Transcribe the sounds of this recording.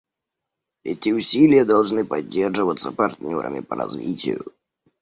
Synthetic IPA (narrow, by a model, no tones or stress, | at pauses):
ɛtʲɪʊsʲilʲɪjəd̪ɐlˠʐnɨpɐdʲːe̞rʐɨvət̪sːəpɐrt̪nʲo̰ɾə̰mʲɪ̰pəɾɐ̰zvʲḭtʲɪ̰jʊ̰